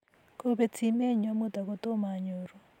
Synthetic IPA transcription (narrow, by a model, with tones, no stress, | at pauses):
ko˨βe˨t͡sʰi˨me˦ɲwa˦mo˦ta˨ɣo˨to˦ma˨ɲo˨ɾo˨